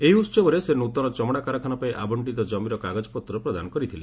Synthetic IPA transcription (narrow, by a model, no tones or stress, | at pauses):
eɦiut̪sɔbɔɾesenut̪ɔɾɔt͡ʃɔmɽakaɾɔkʰanɔpaiʔabɔɳʈit̪ɔd͡ʒɔmiɾɔkaɡad͡ʒɔpɔt̪ːɾɔpɾɔd̪a̰nɔkɔɾit̪ʰile